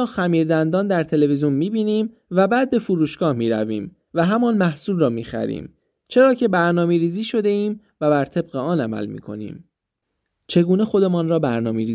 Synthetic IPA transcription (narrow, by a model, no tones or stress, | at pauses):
ɒːxæmiːɾd̪ænd̪ɒːnd̪æɾt̪ʰe̞leveziunmiːbiːniːm | væbæːd̪̚be̞fuɾuːʃɡ̥ɒːhmiːɾæ̰vḭːm | væɦæmɒːnmæhsuːlrɒːmiːxæ̰ɾḭːm | t͡ʃʰe̞ɾɒːcʰe̞bæɾnɒːmeɾiːziːʃo̞d̪e̞iːm | væbæɾt̪ʰe̞b̚ɣeɒːnæmæ̰lmḭːkʰo̞̰nḭːm | t͡ʃʰe̞ɡuːne̞xo̞d̪e̞mɒːnrɒːbæɾnɒ̰ːmeɾiː